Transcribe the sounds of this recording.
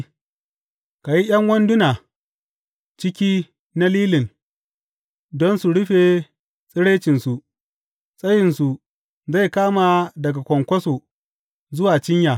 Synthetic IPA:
ka˨ji˦ʔj̰ɐ˦ŋwɐ˦ndʊ˦naː˨ | t͡ʃɪ˦kʲiː˦ | na˦liː˦lɪ˨n | dɔ˦nsu˨ɽʊ˦ɸe˨ | sʼɪ˦ɽe˦t͡ʃɪ˨nsu˨ | sʼɐ˦jɪ˨nsu˨ | za˦˨jkaː˦ma˨dɐ˨ɡa˨kʷɔ˨ŋkʷɐ˦so˨ | zʊ˦waː˨t͡ʃɪ˦ɲja˨

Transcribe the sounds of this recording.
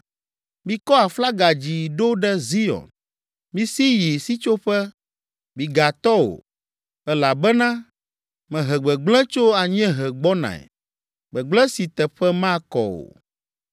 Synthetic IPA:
mĩ˦kɔ˦a˨fla˦ɡa˨d͡ʑi˨ɖo˦ɖɛ˦zi˦ɔ̰˨n | mĩ˦si˦ji˨si˦t͡ʃo˦ɸɛ˦ | mĩ˨ɡa˨t̪ɔ˦wo̰˨ | ɛ˦la˨bɛ˦nã˦ | mɛ̃˨ɦɛ˨ɡ͡bɛ˨ɡ͡blɛ̃˦t͡ʃo˦a˨ɲɛ̃˦ɦɛ˨ɡ͡bɔ˦nã̰˨ɛ̰˨ | ɡ͡bɛ˨ɡ͡blɛ̃˦si˨t̪ɛ˨ɸɛ˦mã˦kɔ̰˨o̰˨

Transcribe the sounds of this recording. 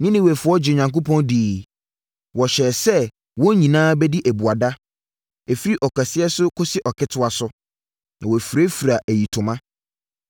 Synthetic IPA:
nɪ̃˦nɪ̃˦wæ˨fʊ˨˦ɔ˦d͡ʑɪ˨ɲã˨ŋk̬o˦pɔ̃˦ndiː˨ | wɔ˨ɕɛ˨sɛ˦ | wɔ̃˦ɲĩ˨nãː˦bɛ˦di˦ʔæ˨bu˨a˨da˦ | ɛ˨fi˦ɾi˦ʔɔ˨kʰa˨sɪ˦ɛ˦sʊ˦kʰʊ˦sɪ˦ʔɔ˨kʰɪ˦tʰʊ˦a˨sʊ˦ | nã˨wɔ˨fɾe˦fu˨ɾa˨ʔæ˨ji˨tʰʊ̃˨mã˦

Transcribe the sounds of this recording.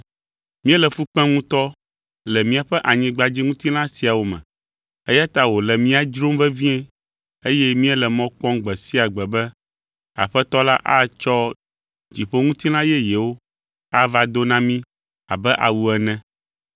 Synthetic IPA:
mĩ˦ɛ˦lɛ˨fu˦k͡pɛ̃˦ŋũ˦t̪ɔ˦ | lɛ˨mĩ˦a˨ɸɛ˦ʔa˨ɲĩ˨ɡ͡ba˨d͡ʑi˦ŋũ˦t̪i˦lã˦si˨a˨wo˨mɛ̰̃˨ | ḛ˦ja˦t̪a˦wo˨lɛ˨mĩ˦a˨d͡ʒɾo˦mvɛ˦vĩ˦ɛ̃˦ | e˦jɛ˦mĩ˦ɛ˦lɛ˨mɔ̃˦k͡pɔ̃˦ŋɡ͡bɛ˨si˦a˨ɡ͡bɛ˨bɛ˦ | a̰˨ɸɛ˦t̪ɔ˦la˦ʔa˦t͡ʃɔ˦ | d͡ʑi˨ɸo˦ŋũ˦t̪i˦lã˦jɛ˦jɛ˨wo˦ | a˦va˦d̪o˦nã˦mĩ˦ | a̰˨bɛ˦ʔa̰˨wu˦ɛ˨nɛ̃˦

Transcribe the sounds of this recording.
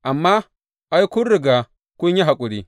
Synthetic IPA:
ʔa˨mːaː˦ | ʔa˦jkʷʊ˦nɾɪ˨ɡaː˨ | kʷʊ˦ɲːi˦ɦa˨kʷʼʊ˨ɽiː˦

